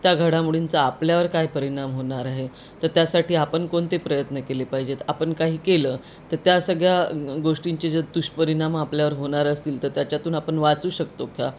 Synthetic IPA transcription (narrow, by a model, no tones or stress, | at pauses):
t̪jaɡʱəɽamuɽint͡saːpljaʋəɾkajpəɾiɳ̃amɦoɳaɾaɦe | t̪əɾt̪jasaʈiːapəɳkoɳt̪epɾəjət̪nəkelepaɦid͡ʑet̪apəɳkaɦiːkeləː | t̪əɾt̪jasəɡɭjaɡoʂʈiɲt͡ɕed͡zəd̪uɕpəɾiɳ̃amapljaʋəɾɦoɳ̃aɾəst̪iːlt̪əɾt̪jat͡ɕjat̪uːnapəɳʋat͡suːɕəkt̪okʰa